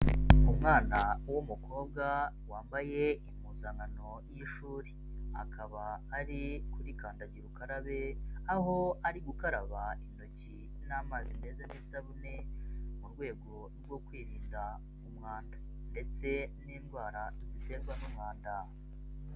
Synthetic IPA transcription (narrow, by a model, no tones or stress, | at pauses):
umŋaːnawumukʰo̞ːb̚ɡa | waːmbaje̞imuzaŋɡano̞ | jiʃuːɾi̥ | a̰kʰaβaːɾikuɾikaːndaɟiɾukaɾaβe̞aɦo̞aɾiɡukaɾaβaino̞ci | naːmaːzine̞ːzanisaβune̞muɾɡwe̞ːɡo̞ | ɾɡwo̞kwiːɾiːnda | umŋaːndḁ | nde̞t͡se̞niːnɡwaːɾazite̞ːɡwanumŋaːnda